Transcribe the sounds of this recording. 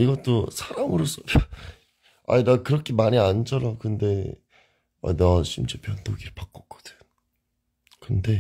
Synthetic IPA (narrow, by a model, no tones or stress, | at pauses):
iɡʌt͈osʰaɾamɯɾos͈ʌ | a̰idakɯɾʌkʰemaɲiand͡ʑʌɾakɯnde̞ | a̰nat͡ɕʰimt͡ɕepjʌŋtoɡiɾɯpak̚k͈ʌk̚k͈ʌ̥d̥ɯɲ | kɯnde̞